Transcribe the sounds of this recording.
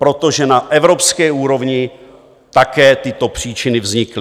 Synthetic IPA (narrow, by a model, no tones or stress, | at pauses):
pɾo̞t̪o̞ʒɛnaʔɛvɾo̞pskɛːuːɾo̞vɲɪ | t̪akɛːt̪ɪt̪o̞pr̥iːt͡ʃɪnɪvzɲɪklɪ